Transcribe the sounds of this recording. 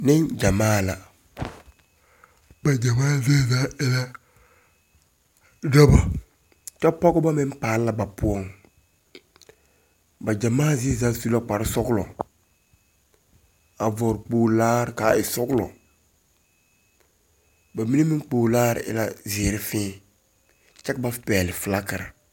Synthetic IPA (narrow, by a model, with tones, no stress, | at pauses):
nɪ˦nd͡ʒa˨maː˦la̰˨ | ba˨d͡ʒa˨maː˦ze˦zaː˦ɪ˦la˦ | da˦ba˨ | t͡ʃa˦pɔ˦ɡɔ˦ba˦mɪ˦mpaː˨˦lla˦ba˨pu˦ɔ˦ŋ | ba˨d͡ʒa˨maː˦zi˦za˦su˦la˦k͡pa˨ɾsɔ˦klɔ˨ | a˨vɔ˨ɾk͡poː˨laː˦ɾkaː˨˦ɪ˨sɔ˦klɔ̰˨ | ba˨mi˦ne˦mi˦k͡poː˨laː˦ɾ̰ɪ̰˦la̰˦zi˨ɾi˦fĩː˦ | t͡ʃɛ˦kba˦fpɛː˨lɪ˨fla˦kə˨ɾa˨